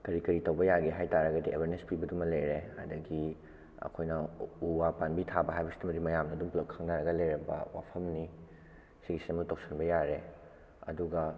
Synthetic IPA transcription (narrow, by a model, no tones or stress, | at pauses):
kɐɾikɐɾitɐwbɐjaɡiɦajtaɾɐɡɐdiḛbʱɐɾnespibɐdumɐlejɾeha̰dɐɡi | ɐ̰kʰojnɐuwapanbitʰabɐɦajbɐsi̥timɐdimɐjamnɐːduŋpulɐkkʰaŋnaɾɐɡɐlɐjɾɐbɐ̰wa̰pʰɐmni | siɡisemɐktok̚sɐnbɐjaɾe | ɐ̰duɡɐ